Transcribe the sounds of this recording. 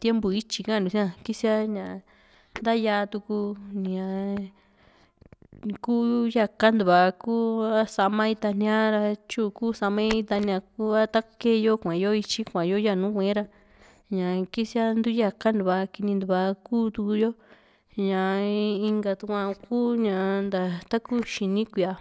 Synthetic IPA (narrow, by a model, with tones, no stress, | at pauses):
t̪je˦mbu˨i˦t͡ʃi˧kã˦˨nd̪u˨si˦ã˧ki˦si˦a˦ɲã˨ | nd̪a˦ja˧t̪u˧ku˧nĩ˧ã˨ | kuː˦ja˧ka˦nd̪u˨βa˧kuː˦a˦sa˧mã˧i˧t̪a˧n̥ĩ˧ã˦ɾa˧t͡ʃu˦˨kuː˦˨sa˧mẽ˦i˧t̪a˧nĩ˧ã˧ku˦a˦t̪a˦ke˦˧jo˦kʷã˨jo˦i˧t͡ʃi˦kʷã˨jo˦ja˦˨nũ˨˦kʷẽ˨˦ɾa˧ | ɲã˨ki˦si˦a˦nd̪u˦ja˧ka˦nd̪u˨βa˧ki˧nĩ˧nd̪u˧βa˧kuː˦t̪u˧ku˧jo˦ | ɲã˨i˧ŋɡa˧t̪u˧kʷã˧kuː˦ɲã˧nd̪a˨t̪a˦ku˦ʃi˧nĩ˦kʷi˨a˧